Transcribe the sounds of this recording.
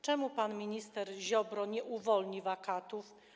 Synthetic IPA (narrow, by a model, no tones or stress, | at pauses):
t͡ʂɛmupanmʲiɲist̪ɛɾʑɔbɾɔɲɛʔuvɔlɲivakat̪uf